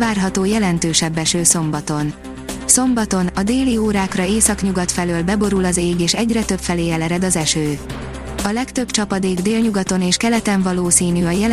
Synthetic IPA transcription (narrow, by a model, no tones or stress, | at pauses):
aːrɦɒt̪oːjɛlɛnt̪øːʃɛbːɛʃøːso̞mbɒt̪o̞n | so̞mbɒt̪o̞nɒd̪eːlioːɾaːkrɒeːsɒkɲuɡɒt̪fɛløːlbɛbo̞ɾulɒzeːɡeːʃɛɟrɛt̪øpfɛleːɛlɛɾɛd̪ɒzɛʃøː | ɒlɛkt̪ø̞bt͡ʃɒpɒd̪eːɡd̪eːlɲuɡɒt̪o̞neːʃkɛlɛt̪ɛɱvɒloːsiːnyɒjɛ